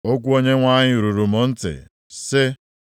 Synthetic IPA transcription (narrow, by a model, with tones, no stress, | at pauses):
o˦k̬ʷu˦o˦ɲe˦ŋʷa˦ɲɪ˦ɾu˨ɾu˨mo˨n̩˦tɪ̰˨ | sɪ˦